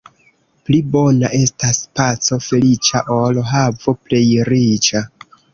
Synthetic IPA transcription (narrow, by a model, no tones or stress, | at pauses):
plibo̞naʔe̞staspat͡so̞fe̞lit͡ʃaʔoloɦavople̞jɾit͡ʃa